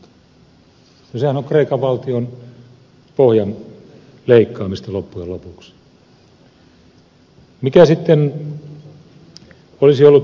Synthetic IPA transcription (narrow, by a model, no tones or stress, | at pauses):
t̪ɑ̥ | nosehænoŋkreikɑʋʋɑlt̪ion | pohjɑn | leikːɑːmist̪ɑlopːujelopuks | mikæsit̪ːen | olisiolːut̪